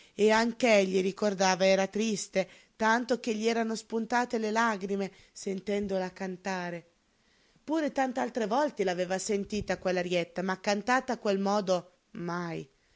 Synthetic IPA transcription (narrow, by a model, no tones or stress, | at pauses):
eaŋkeɛʎːiɾikord̪aːvaɛːɾat̪ɾist̪e | t̪ant̪ok̟eʎːiɛːɾanospunt̪aːt̪elelaɡɾime | sent̪ɛnd̪olakant̪aːɾe | puːɾet̪ant̪ealt̪ɾevɔlt̪elaveːvasent̪iːt̪akwelːaɾjɛt̪ːamakːant̪aːt̪aːkːwelmɔːd̪o | maj